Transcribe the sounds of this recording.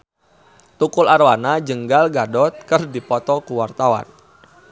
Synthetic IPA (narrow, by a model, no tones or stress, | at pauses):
t̪ukularwanad͡ʒəŋɡalɡadɔt̪̚kərdipɔt̪ɔkuwart̪awa̰n